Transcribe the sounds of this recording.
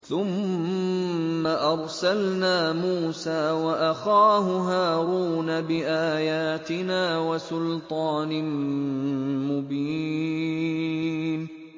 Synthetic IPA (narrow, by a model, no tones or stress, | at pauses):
θʊm | aʔɑɾˤsalnaːmuːsaːwaʔaxaːɦʊɦaːɾuːnabɪʔaːjaːt̪ɪnaːwasʊlt̪ˤɑːnɪ | mʊbiː | n